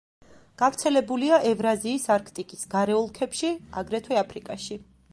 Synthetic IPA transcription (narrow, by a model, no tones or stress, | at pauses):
ɡ̥avɾt̪sʰɛlɛbuliaʔɛvɾaziːsaɾkʰt̪ʼikʼisɡaɾɛɔlˠkʰɛpʃia̰ɡɾɛt̪ʰwɛapʰɾikʼaʃi